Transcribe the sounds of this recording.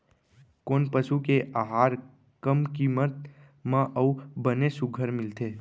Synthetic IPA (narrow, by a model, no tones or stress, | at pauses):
koːnpəʃukeʔaɦaːɾ | kəmkiːmət̪̚ | mãʔəubənesʊɡʱəɾmɪlt̪ʰeː